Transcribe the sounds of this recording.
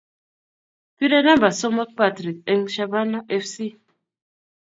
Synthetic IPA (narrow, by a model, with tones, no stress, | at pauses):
ti˦dɛ˦na˦mba˨sɔ˦mɔ˦t̚pa˦tɾi˨kɛ˨ŋʃa˨ba˦na˦ʔɛ˦fsi˦